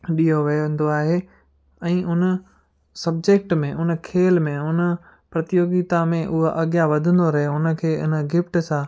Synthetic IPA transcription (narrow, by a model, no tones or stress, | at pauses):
ɗiːɦoʋɐjoʋɪ̃n̆d̪oaːɦe | ɛ̃ːʔʊnə | sɐb̚d͡ʑek̚ʈmẽʔʊn̆kʰeːlmẽʊnə | pɾɐt̪ɪjoːɡɪt̪amẽʔʊɦoʔɐɠjaʋɐd̪ʱə̃nd̪oɾɐɦeʊnə̆kʰeːɪ̰nɡɪfʈsã